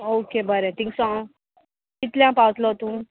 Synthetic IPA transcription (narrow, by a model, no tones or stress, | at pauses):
oːkebʱəɾet̪ʰĩŋksã | ɪt̪ljãpawət̪lot̪ũː